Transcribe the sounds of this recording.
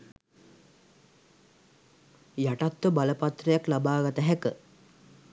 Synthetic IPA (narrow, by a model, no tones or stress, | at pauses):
jaʈat̪ːəbaləpat̪rəjaklabaːɡat̪əɦækə